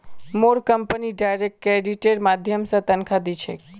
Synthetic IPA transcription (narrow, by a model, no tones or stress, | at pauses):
moɾkəmpəniɖajɾek̚ʈkeɖiʈeɖmad̪ʱjəmsət̪ənkʰad̪it͡ʃʰḛk